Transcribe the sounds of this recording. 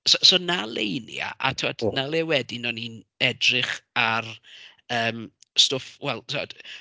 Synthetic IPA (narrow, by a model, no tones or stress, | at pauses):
sosonalˠejnj̰a̰ʔa̰tʰɪwadnalˠɛwɛdinɔninɛdrɪχarəːmstɔfwɛlˠsɔd̥